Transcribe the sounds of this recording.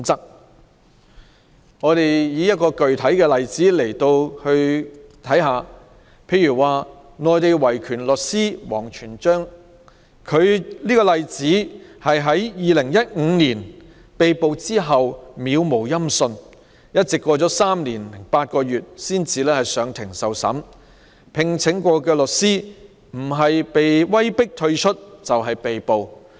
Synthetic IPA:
t͡sɐ˥k̚ | ŋɔː˨˧ɾe˨jjiː˨˧jɐ˥t̚kɔː˧kɵ˨ɥt̪ʰɐ˨˥jkɛː˧lɐ˨jt͡siː˨˥le˨˩jt̪o˧whɵ˧ɥt̪ʰɐ˨˥jɦaː˨˧ | pʰe˧jɥyː˨˩waː˨ | ŋɔː˨jt̪e˨jwɐ˨˩jkʰyː˨˩nlɵ˨t̚siː˥wɔ̰ː˨˩ŋt͡ʃʰyː˨˩nt͡ʃœː˥ŋ | kʰɵ˨˧ɥliː˥kɔː˧lɐ˨jt͡siː˨˥hɐ˨jɦɐ˨˥jjiː˨˧lɪ˨˩ŋjɐ˥t̚ŋ̩˨˧niː˨˩n | pe˨jpo˨˧wt͡siː˥ɦɐ˨wmiː˨˧wmo˨˩wjɐ˥msɵ˧n | jɐ˥t̚t͡sɪ˨kːʷɔː˧t͡sɔː˨˥saː˥mniː˨˩nlɪ˨˩ŋpaː˧t̚kɔː˧jyː˨t̚siː˥nt͡sʰiː˨˧lɛː˥hɐ˨˩jsœː˨˧ŋt̪ʰɪ˨˩ŋsɐ˨wsɐ̰˨˥m | pʰɪ˨˩ŋt͡sʰɪ˨˥ŋkʷɔː˧kɛː˧lɵ˨k̚siː˥ | m̩˨˩ɦɐ˨jpe˨jwɐ˥jpɪ˥k̚t̪ʰɵ˧ɥt͡ʃʰɵ˥t̚t͡sɐ˨wɦɐ˨jpe˨jpo˨w

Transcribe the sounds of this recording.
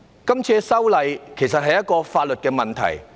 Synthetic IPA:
kɐ˥mt͡sʰiː˧sɐ˥wlɐ˨˧jkʰe˨˩js̬ɐ˨t̚ɦɐ˨jɐ˥t̚kɔː˧faː˧t̚lt̚kɛː˧mɐ˨nt̪ʰɐ̰˨˩j

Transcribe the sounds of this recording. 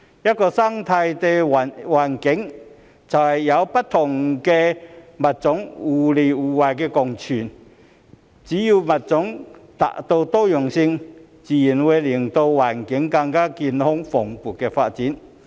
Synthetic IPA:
ja˥t̚kɔ˧sa˥ŋt̪ʰa˧jt̪e˧˩˨waː˨˩nkɪ˨˦˥ŋ | t͡sʰa˨˩wha˨jja˨˦wpɐ˦˥t̚t̪ʰʊ˨˩ŋke˧mɐ˨t̚t͡sʊ˨˥ŋu˨li˨uː˨˩wa˨jkɛ˧kɔ˨ŋt͡ɕʰy˨˩n | t͡ɕi˨˦ju˧mɐ˨˩t̚t͡sʊ˨˦˥ŋt̪a̰˨ʔt̪o˧wt̪ɔ˥jɔ˨˩ŋsi˧ŋ | t͡si˨ji˨˩nwe˧jli˨˩əŋt̪o˧wwaː˨˩nkɪ˨˦ŋka˧ŋkaː˦˥ki˧nhʊ˥ŋfɔ˨˩ŋpu˨˩t̚kɛ˧fa̰˧t̚t͡si˨˦n

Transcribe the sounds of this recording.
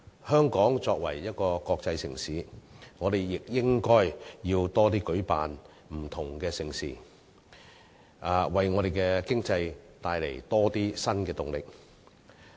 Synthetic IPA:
hœː˥ŋkɔː˨˥ŋt͡sɔː˧k̚wɐ̰˨˩jjɐ˥t̚kɔː˧kɔː˧k̚t͡sɐ˧jsɪ̰˨˩ŋsiː˨˦ŋɔː˨˧ɾe˨jːɪ˨k̚jɪ˥ŋkɔː˥jjiː˧wt̪ɔː˥t̪iː˥kɵ˨˥ɥpaː˨n | m̩˨˩t̪ʰʊ˨˩ŋkɛː˧sɪ˨˩ŋsḭː˨˩ | ʔaː˨wɐ˨˩jŋɔː˨˧ɾe˨jkɛː˧kɪ˥ŋt͡sɐ˧jt̪aː˧jlḛ˨˩jt̪ɔː˥t̪iː˥sɐ˥nkɛː˧t̪ʊ˨˩ŋlɪ˨k̚

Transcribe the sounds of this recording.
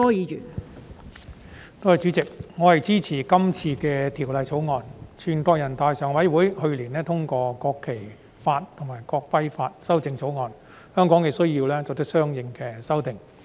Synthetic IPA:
ɔː˥jiː˨˧jyː˨˩n | t̪o˥whɐ˨jt͡ʃyː˨˥t͡sɪ˨k̚ŋɔː˨˧hɐ˨jt͡siː˥t͡sʰiː˨˩kɐ˥mt͡sʰiː˧kɛː˧t̪ʰiː˨˩wlɐ˨jt͡sʰo˨˥wŋɔː˧nt͡ʃʰyː˨˩nkɔː˧kjɐ˨˩nt̪aː˧jsœː˨˩ŋwɐ˨˥jwuː˨˥jhɵ˧ɥliː˨˩nɛː˥t̪ʰʊ˥ŋkɔː˧kɔː˧kʰːe˨˩j | faː˧t̚t̪ʰʊ˨˩ŋmaː˨˩jkɔː˧k̚pɐ˥jfaː˧t̚sɐ˥wt͡sɪ˧ŋt͡sʰo˨˥wŋɔː˨˧n | hœː˥ŋkɔː˨˥ŋkɛ˨˧sɵ˥ɥjiː˧wlɛː˥t͡sɔ˨˩t̪ɐ˥k̚sœː˥ŋjɪ˨ŋkɛː˧sɐ˥wt̪ɪ˨ŋ

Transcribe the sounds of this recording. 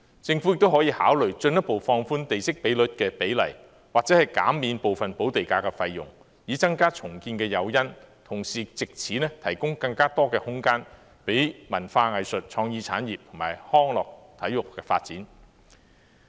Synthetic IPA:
t͡sɪ˧ŋfu˨˥jɪ˨k̚t̪o˥wɦɔː˨˥jiː˧haː˨˥wlɵ˨˩ɥt͡ʃɵ˧njɐ˥t̚po˨˧wfɔː˧ŋfuː˥nt̪e˨jsɪ˥k̚pe˨˥jlɵ˨˥t̚kɛː˧pe˨˥jlɐ̰˨˩j | waː˨k̚t͡sɛ˨˥hɐ˨jka̰ː˨˥mːiː˨˧npo˨wfɐ˨npo˨˥wt̪e˨jkaː˧kɛ˧fɐ˧jːʊ̰˨˩ŋ | jiː˨˥t͡sɐ˥ŋkaː˥t͡ʃʰʊ˨˩ŋkiː˧nkɛː˧jɐ˨˧wjɐ˥nt̪ʰʊ˨˩ŋsiː˨t͡sɪ˨k̚t͡sʰiː˨˥nɛː˥t̪ʰɐ˨˩jkʊ˥ŋkɐ˧ŋkaː˥t̪ɔː˥kɛː˧hʊ˥ŋkaː˥n | pe˨˥jmɐ˨˩nfaː˧ŋɐ˨jsɵ˨t̚t͡ʃʰɔː˧ŋjiː˧t͡sʰa̰ː˨˥njiː˨p̚t̪ʰʊ˨˩maː˨˩jhɔː˥ŋlɔː˨k̚t̪ʰɐ˨˥jʊ˨kkːɛː˧faː˧t̚t͡siː˨˥n

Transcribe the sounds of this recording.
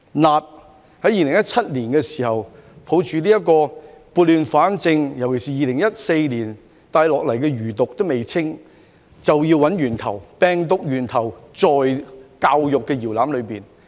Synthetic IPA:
naː˨t̚ | hɐ˨˥jiː˧lɪ˨˩ŋjɐ˥t̚t͡sʰɐ˥t̚liː˨˩nkɛː˧siː˨˩hɐ˨˩wpʰo˨˥wt͡ʃʰyː˨liː˥jɐ˥t̚kɔː˧ | puː˨t̚lyː˨˧nfaː˨˥nt͡sɪ˧ŋjɐ˨˩wkʰe˨˩siː˨jiː˨˧lɪ˨˩ŋjɐ˥t̚se˧jliː˨˩n | t̪aː˧jlɔː˨k̚lɐ˨˩jkɛː˧ɥyː˨˩t̪ʊ˨k̚t̪wme˨jt͡sʰɪ˥ŋ | t͡sɐ˨wjiː˧wɐ˨˥njyː˨˩nt̪ʰɐ˨˩wpɛː˨ŋt̪ʊ˨k̚jyː˨˩nt̪ʰɐ˨˩wt͡sɔː˨jkaː˧wjʊ˨kːɛ˧jiː˨˩wlaː˨˥mlɵ˨˧ɥpiː˨n

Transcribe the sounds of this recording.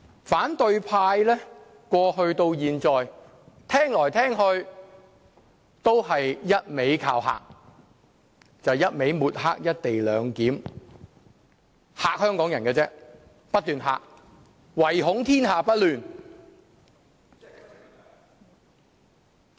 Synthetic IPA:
faː˨˥nt̪ɵ˧ɥpʰaː˧jlɛː˥ | kwɔː˧hɵ˧ɥt̪o˧wjiː˨nt͡sɔː˨j | t̪ʰɛː˥ŋlɔː˨˩jt̪ʰɛː˥ŋhɵ˧ɥ | t̪o˥wɦɐ˨jːɐ˥t̚me˨˥jkʰaː˧wɦa̰ː˨k̚ | t͡sɐ˨wjɐ˥t̚me˨˥jmuː˨˩t̚ɦa̰ː˥k̚jɐ˥t̚t̪e˨jlœ̰ː˨˧ŋkiː˨˥m | haː˨k̚hœː˥ŋkɔː˨˥ŋjɐ˨˩nkɛː˧t͡sɛː˥ | pɐ˥t̚t̪yː˨nɦa̰ː˨k̚ | wɐ˨˩jɦʊ˨˥ŋt̪ʰiː˥nɦaː˨pɐ˥t̚lyː˨n

